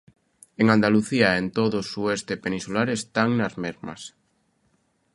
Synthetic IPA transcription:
eŋand̪aluθiaent̪oðosuest̪epenĩsulaɾest̪aŋnazmeɾma̰s

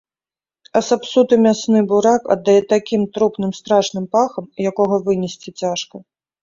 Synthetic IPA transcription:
ɐsapsut̪ɨmʲasnɨbuɾakɐ̰d̪ːajɛt̪akʲimt̪ɾupn̪ɨmst̪ɾaʂnɨmpaxɐmjakɔɣɐvɨnʲɛsʲt͡sʲit͡sʲaʂkɐ

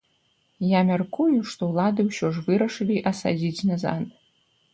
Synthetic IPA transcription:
jamʲarkʰujuʂt̪owlˠad̪ɨwɕɔʐvɨɾɐʂɨlʲiʔasa̰d͡zʲit͡sʲnɐza̰n

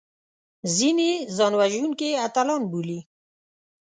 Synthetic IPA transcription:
zinezɑnwaʒunkeat̪alɑnbuli

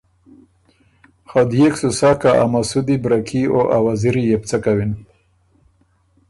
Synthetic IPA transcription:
xad̪jeksusakaʔa̰masud̪ibɾakʰioʔawaziɾijep̚t͡sakawin

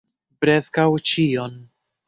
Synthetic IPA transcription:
pɾe̞skawt͡ʃio̞n

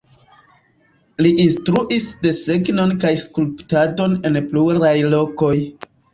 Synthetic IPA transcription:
liʔinstɾuʔisde̞se̞ɡno̞nkajskulptado̞ne̞npluɾajlo̞ko̞j

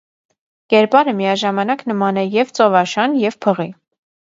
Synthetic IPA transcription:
kɛɾpɑɾəmijɑʒɑmɑnɑknəmɑnɛjɛvt͡sɔvɑʃɑnjɛvpʰəʁi

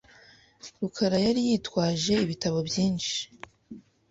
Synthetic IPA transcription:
ɾukʰaɾajaɾijiːtwaːʒe̞iβitaβo̞bjiːnʃi̥

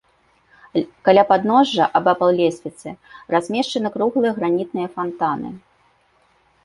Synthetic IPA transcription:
kalʲapad̪nɔʐːɐʔɐbapɐlˠlʲesʲvʲit̪sɨrazʲmʲɛʂt͡ʂɐnɨkɾuɣlˠɨjɐɣɾanʲit̪nɨjɐfant̪anɨ̰

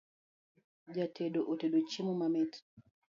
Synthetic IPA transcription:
d͡ʒatʰɛɗoʔotɛɗot͡ʃimumamɛt

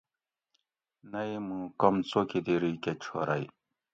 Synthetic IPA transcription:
nɐmũkɔmt͡sokid̪eɾiket͡ɕʰo̰ɾa̰j

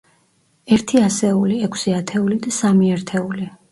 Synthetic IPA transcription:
ɛɾt̪ʰiasɛuliɛkʰsiat̪ʰɛulid̪asamiɛɾt̪ʰɛuli

